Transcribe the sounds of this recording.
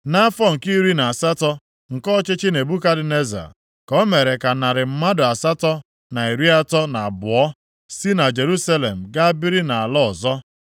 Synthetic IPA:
na˦fɔ˦ŋ̩˨ki˦ɾi˦na˨a˨sa˦tɔ˦ | ŋ̩˨kɔ˦t͡ʃɪ˦t͡ʃɪ˦ne˨bu˦ka˦dɪ˨ne˦za̰˨ | kɔ˦me˨ɾe˨ka˨na˨ɾɪ˨m̩˦ma˦dʊ˨a˨sa˦tɔ˦ | na˨i˨ɾi˦a˦tɔ˦na˨a˨bʊ˨ɔ˦ | si˦na˨d͡ʒe˨ɾu˦sa˦le˨m̩˨ɡa˦bɪ˦ɾi˦na˨a˨lɔ˦ɔ˨zɔ˦

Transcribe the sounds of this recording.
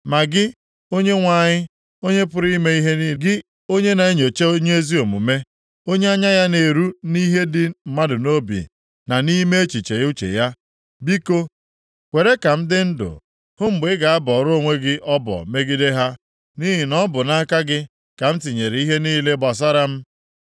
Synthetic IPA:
ma˨ɡɪ˦ | o˦ɲe˦ŋʷa˨ɲɪ˦ | o˦ɲe˦pʊ˦ɾi˦me˦i˦ɦe˦ni˦ɡɪ˦ | o˦ɲe˦na˨e˦ɲo˨t͡ʃe˦o˦ɲe˦e˦zi˦o˨mṵ˨me˦ | o˦ɲe˦a˦ɲa˦ja˦ne˨ɾu˦ni˦ɦe˦dɪ˦m̩˦ma˦dʊ˨no˦bḭ˨ | na˨ni˦me˦e˦t͡ʃi˨t͡ʃe˨˦u˦t͡ʃḛ˨ja˦ | bi˦ko˦ | kʷe˨ɾe˦ka˨m̩˦dɪ˦n̩˦dʊ̰˨ | hʊ˦m̩˨ɡ͡bɪ˦ɡa˨a˦bɔ˨ɾo˦˨ŋʷe˦ɡɪ˦ʔɔ˦bɔ̰˨me˦ɡi˦de˦ɦa˦ | ni˦ɦi˨nɔ˦bʊ˨na˦ka˦ɡɪ˦ | ka˨m̩˦ti˨ɲe˨ɾe˨˦i˦ɦe˦niː˦le˦ba˨s̬a˦ɾa˦m̩˦

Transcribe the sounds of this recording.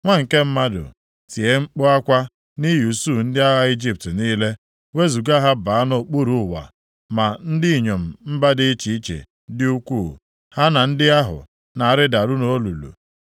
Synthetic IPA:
ŋʷa˦˨ŋ̩˨ke˦m̩˦ma˦dʊ̰˨ | ti˨e˦ŋ͡m̩˦k͡pʊ˦a˦kʷa˦ | ni˦ju˨su˦˨n̩˦dɪ˦a˦ɦa˦i˦d͡ʒi˦p̚tniː˦le˦ | we˦zu˨ɡa˦ɦa˦ba˨a˦no˨k͡pu˦ɾu˦˨wa̰˨ | ma˨n̩˦dɪ˦i˨ɲo˨m̩˨m̩˦ba˦dɪ˦t͡ʃi˨i˦t͡ʃḛ˨ | dɪ˦u˦kʷu˦˨ | ha˦na˨n̩˦dɪ˦a˦ɦʊ̰˨ | na˨a˨ɾɪ˦da˨ɾʊ˦no˦lu˨lṵ˨

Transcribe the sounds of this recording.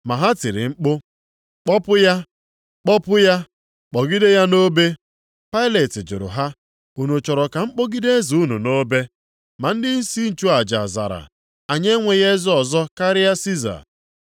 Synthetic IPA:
ma˨ɦa˦tɪ˨ɾɪ̰˨ŋ͡m̩˦k͡pʊ˦ | k͡pɔ˦pʊ˦ja˦ | k͡pɔ˦pʊ˦ja˦ | k͡pɔ˨ɡi˦de˦ja˦no˦be˦ | pa˦ɪ˦le˨tɪ˨d͡ʒʊ̰˨ɾʊ̰˨ɦa˦ | u˨nu˨t͡ʃɔ˨ɾɔ˨ka˨ŋ͡m̩˦k͡po˦ɡi˦de˦e˦zu˨u˦nu˨no˦be˦ | ma˨n̩˦dɪ˦i˦si˦n̩˨t͡ʃu˦a˨d͡ʒa̰˨za̰˨ɾa̰˨ | a˨ɲe˦ŋʷe˨je˦zɔ˦ɔ˨zɔ˦ka˦ɾɪ˦ja˦si˦za̰˨

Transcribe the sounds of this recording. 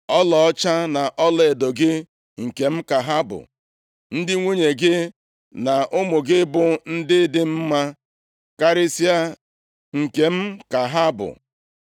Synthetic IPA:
ɔ˦lɔ˨ɔ˦t͡ʃa˦na˨ʔɔ˦le˨do˨ɡɪ˦ | ŋ̩˨ke˨m̩˦ka˨ɦa˦bʊ̰˨ | n̩˦dɪ˦ŋʷe˦ɲe˨ɡɪ˦ | na˨ʔʊ˦mʊ˨ɡɪ˦bʊ˨n̩˦dɪ˦dɪ˦m̩˦ma˦ | ka˦ɾɪ˦si˦a˦ | ŋ̩˨ke˨m̩˦ka˨ɦa˦bʊ̰˨

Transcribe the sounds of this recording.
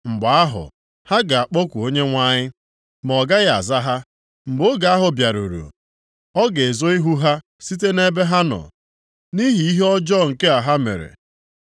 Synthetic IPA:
ŋ͡m̩˨ɡ͡ba˦ɦʊ̰˨ | ha˦ɡa˨a˨k͡po˦kʷu˨o˦ɲe˦ŋʷa˦ɲɪ˦ | m˨ɔ˨ɡa˦ɣɪ˦a̰˨za˦ɦa˦ | m̩˨ɡ͡bo˦ɡa˨a˦ɦʊ˨bja˨ɾṵ˨ɾṵ˨ | ɔ˦ɡe˨zo˦i˦ɦu˦ɦa˦ | si˦t̬e˦ne˦be˦ɦa˦nɔ̰˨ | ni˦ɦi˨i˦ɦe˦ɔ˦d͡ʒɔ˦ŋ̩˨ke˦a˨ɦa˦mḛ˨ɾḛ˨

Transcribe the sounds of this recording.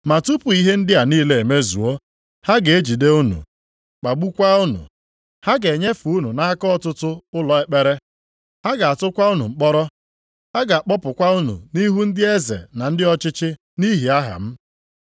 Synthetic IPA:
ma˨tu˦pu˨i˦ɦe˦n̩˦dɪ˦a˨niː˦le˨e˨me˦zṵ˨o˦ | ha˦ɡe˨e˦d͡ʒi˨de˦u˦nṵ˨ | k͡pa˨ɡ͡bu˦kʷa˦ʊ˦nṵ˨ | ha˦ɡe˨ɲe˦fu˨u˦nu˨na˦kɔ˦˨tʊ˦tʊ˦ʊ˦lɔ˨e˦k͡pe˦ɾe˦ | ha˦ɡa˨a˨tʊ˦kʷa˦u˦nu˨ŋ͡m̩˨k͡pɔ˦ɾɔ˦ | ha˦ɡa˨a˨k͡pɔ˦pʊ˨kʷa˦u˦nṵ˨ni˦ɦu˦n̩˦dɪ˦e˦zḛ˨na˨n̩˦dɪ˦ɔ˦t͡ʃɪ˦t͡ʃɪ˦ | ni˦ɦi˨a˦ɦa̰˨m̩˦

